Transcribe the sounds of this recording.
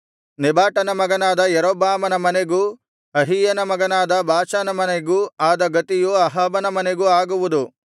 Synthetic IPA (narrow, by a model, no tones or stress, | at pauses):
nibaːʈɐnɐmɐɡɐnaːd̪ɐjɐɾoːbaːmɐnɐmɐneɡuː | ɐɦijɐnɐmɐɡɐnaːd̪ɐbaːt͡ʃanɐmɐneɡuːaːd̪ɐɡɐt̪ijuɐɦɐːbɐnɐmɐneɡuaːɡuʋud̪u